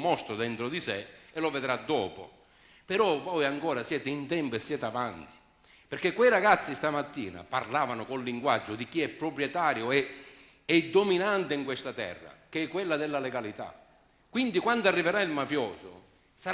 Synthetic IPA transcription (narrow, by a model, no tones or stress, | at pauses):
mɔst̪ɾʊd̪ɛnt̪ɾʊd̪iseɛloved̪ɾad̪ːɔːpʊ̰ | pɛɾɔvɔjaŋkɔːɾasjɛːt̪eint̪ɛmpʊɛsːjɛːt̪avant̪i̥ | peɾkekːwɛjraɡat̪sːist̪amat̪ːḭːna̰pa̰rlaːvanʊkʊnliŋɡwad͡ʒːʊd̪ikiɛpːɾʊpɾjɛt̪aːɾjʊɛ | ɛd̪ːominant̪eiŋkwest̪at̪ɛ̰rːa̰keɛkːwelːad̪ɛlːalɛɡalit̪a̰ | kwind̪ikwand̪oarːiveɾailmafjɔːsʊ̰ | sa